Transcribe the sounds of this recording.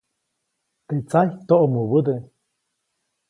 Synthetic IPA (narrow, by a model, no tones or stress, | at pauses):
t̪eʔt͡sajt̪oʔomuβəd̪e